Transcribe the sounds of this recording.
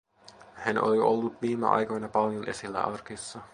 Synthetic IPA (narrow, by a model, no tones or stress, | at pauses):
hænʔo̰lio̰lːut̪ʋiːmæ̰ʔɑ̰jkojnɑpɑljonʔe̞silːæ̰ʔɑrkisːɑ